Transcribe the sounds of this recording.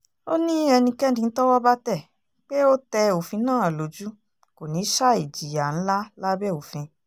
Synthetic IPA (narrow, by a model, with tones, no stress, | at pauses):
o˦nĩ˦ɛ˧nĩ˧kɛ˦dĩ˧n̩˦tɔ˦wɔ˦ba˦tɛ˦˨ | k͡pe˦o˦tɛ˧o˨fĩ˧nãː˦˨a˨lo˨d͡ʒu˦ | ko˨nĩ˨˦ʃa˦i˨d͡ʒi˨ja˨n̩˦la˦la˦bɛ˦˨o˨fĩ˧